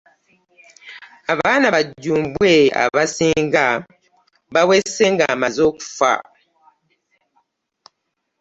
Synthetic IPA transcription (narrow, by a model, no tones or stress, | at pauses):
aβanaβaɟumbwea̰βasiŋɡa | βaweseŋɡamazoku̥fa̰